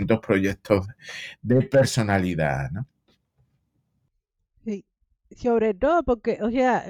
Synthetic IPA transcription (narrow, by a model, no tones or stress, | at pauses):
nt̪ohpɾoʝet̪ʰoðepe̞ɾso̞naliða̰no | si | so̞βɾe̞t̪oðopoɾkeʔosea